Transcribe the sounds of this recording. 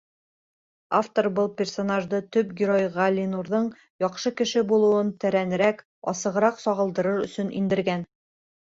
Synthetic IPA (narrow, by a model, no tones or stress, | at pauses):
aft̪oɾbɤlˠpʲersonaʒd̪ɤt̪ɵpɡʲɪɾojʁɑlʲːinuɾðɤɴ | jɒqʃɤkɘ̆ʃɘbulˠɤ̆wɤnt̪æɾænɘ̆ɾæk | ɒsɤ̆ʁɤ̆ɾɑqsɒʁɤ̆lˠd̪ɤ̆ɾɤɾɵ̆sɵnḭnd̪ɘ̆ɾɡæn